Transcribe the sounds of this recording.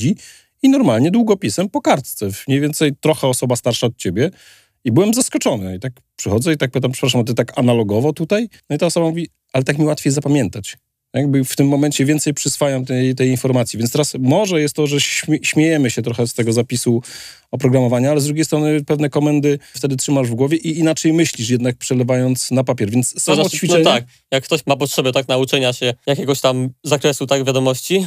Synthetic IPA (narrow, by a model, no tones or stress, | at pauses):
i | inɔɾmalɲɛd̪wuɡɔpʲisɛmpɔkaɾt̪t̪sɛvmɲejvjɛnt̪sɛjt̪ɾɔxɛɔsɔbast̪aɾʂaɔt̪̚t͡ɕebʲjɛ | ibɘwɛmzaskɔt͡ʂɔnɨit̪ak | pʂɨxɔd̪zɛit̪ak̚pɨt̪ampʂɛpɾaʂ̬amt̪ɨt̪akanalɔɡɔvɔt̪ut̪ajnɔit̪aɔsɔbamuvʲi | alɛt̪akmʲiwat̪fʲejzapamʲjɛnt̪at͡ɕ | jaɡ̚bɘft̪ɘmːɔmɛnt͡ɕɛvʲjɛnt̪sɛjpʂɨsfajamt̪ɛjt̪ɛjinfɔɾmat̪sʲivʲɛnt̪ɛɾasmɔʐɛjɛst̪t̪ːɔʐɛɕʲɕmʲjejɛmɘɕɛt̪ɾɔxɛst̪ɛɡɔzapʲisu | ɔpɾɔɡɾamɔvaɲaalɛzd̪ɾuɡʲejst̪ɾɔnɘpɛvnɛkɔmɛnd̪ɘft̪ɛd̪ɘtʂɘmaʐvɡwɔvʲjɛʔiinat͡ʂɛjmɘɕlʲiʂjɛd̪nak̚pʂɛlɛvajɔnt̪snapapʲjɛɾvʲjɛnt̪sːamt͡ɕfʲiɛɲt̪ak | jakːt̪ɔɕmapɔtʂɛbɛt̪aknaut͡ʂɛɲaɕɛjakʲɛɡɔɕt̪amzakɾɛsut̪aɡvʲjad̪ɔmɔɕt͡ɕi